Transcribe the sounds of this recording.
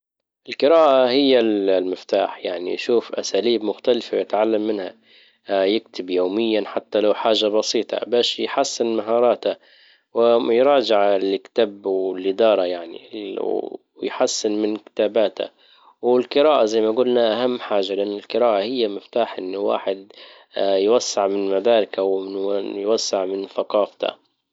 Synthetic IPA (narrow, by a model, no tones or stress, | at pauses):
ʔɪlqɨɾaːʔahɪjːallmɪft̪a̰ːħjaʕnḭʃuːfʔa̰saːliːbmʊxt̪alfawjɪt̪ʕalːamːɪnha̰ | jɪkt̪ɪbjoːmɪjːanħat̪ːalawħaːʒabɑsiːt̪ˤɑ̰baːʃjħasːɪnmaɦɑːɾˤɑːt̪a | wɪjɾˤɑːd͡ʒɪʕlkt̪abwɪlʔɪd̪ɑːɾˤɑjaʕnḭ | jħasːɪnmɪnkɪ̥t̪aːbaːt̪a̰ | wɪlqɨɾaːʔazajmaɡʊlnaʔahamːħaːʒalɪʔanːɪlqɨɾaːʔahɪjːamɪft̪aːħʔɪnːʊwa̰ːħɪd̪ | jwasːɪʕmɪnmad̪aːɾɪkawmɪnjwasːɪʕmɪnθaqɑːft̪ʰa̰